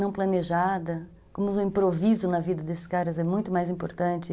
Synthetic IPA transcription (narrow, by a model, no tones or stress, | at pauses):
nɐ̃w̃plɐneʒad̪ɐ | kõmʊʊĩpɾovizʊnɐvid̪ɐd̪esɪ̥skaɾɐzɛmũj̃t̪ʊmajzĩpoɾt̪ɐ̃nt͡ʃɪ